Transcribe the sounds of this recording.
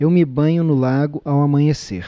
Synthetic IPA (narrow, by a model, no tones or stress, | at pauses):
ewmɪbɐ̃ɲʊnʊlaɡʊʔawamɐ̃ɲesḛɾ